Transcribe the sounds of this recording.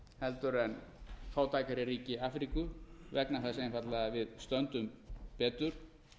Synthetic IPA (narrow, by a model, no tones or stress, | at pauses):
hɛlt̪ʏɾɛnfaːwt̪ʰaːjkaɾɪriːcɪaːfɾiːkʏvɛknaθas̬ejnfat̪laðavɪðst̪œnt̪ʏmpɛːt̪ʏɾ̥